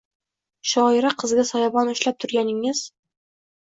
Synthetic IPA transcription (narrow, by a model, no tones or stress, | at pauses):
ʃɒɪɾaqʰɨzɡʲasɒjɑbɒnʊʃlap̚t̪ʰʊɾɡʲanɪŋɪz̥